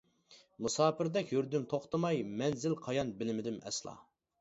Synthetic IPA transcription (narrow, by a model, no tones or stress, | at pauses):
musɑːpɪɾd̪ɛkʲjyɾd̪ymt̪ʰoχt̪ɨmɑjmɛnzɪlqʰɑjɑnbɪlɪmɪd̪ɪmɛ̰slˠɑ̰